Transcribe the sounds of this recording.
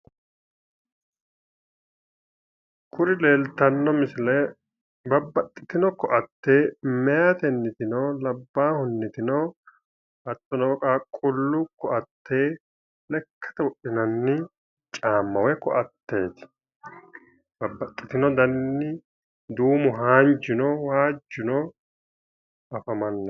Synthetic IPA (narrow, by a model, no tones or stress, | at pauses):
kʰʊɾɪle̞ːlt̪ɐnːɔmɪsɪlɛ | bɐbːɐt̪ʼːɪ̥t̪ɪnɔkʰːɔʔɐt̪ːe̞ːmɛjat̪ɛnːɪt̪ɪnoːlɐbːaːhʊnːɪt̪ɪnɔː | ʔɐt̪ʼːɔnɔkʼaːkʼʊlːʊkɔʔɐt̪ʰːeː | lɛkʰːɐ̥t̪ɐwɔɗɪnɐnːɪ | t͡ʃʼaːmːɐwɛkɔʔɐt̪ːe̞ːt̪ɪ̥ | b̥ɐbːɐt̪ʼːɪt̪ɪnɔd̪ɐnːɪ | d̪uːmʊɦaːnd͡ʒɪnɔwaːd͡ʒːɪnɔː | ʔɐfɐmɐnːɐ